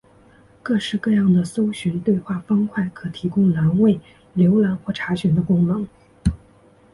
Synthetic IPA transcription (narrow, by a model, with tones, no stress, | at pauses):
kɤ˥˧ʂɻ̩˥˧kɤ˥˧jɑ˥˩ŋd̪ə˩so˥ʊɕɥɛ˧˥nt̪we˥˧ɪxwa˥˩fɑ˥ŋkʰwa˥˩ɪkʰɤ˨˩t̪ʰi˧˥kʊ˥ŋla˧˥nwe˥˩ɪ | ljo˧˥ʊla˧˥nxwɔ˥˩ʈ͡ʂʰa˧˥ɕɥɛ˨˩nd̪ə˦˧kʊ˥ŋnɤ˧˥˦ŋ